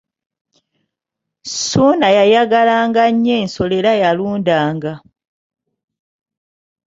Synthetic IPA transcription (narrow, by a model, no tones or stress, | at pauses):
suːnajajaɡalaːŋɡaɲːe̞ːnso̞leɾajaluːndaːŋɡa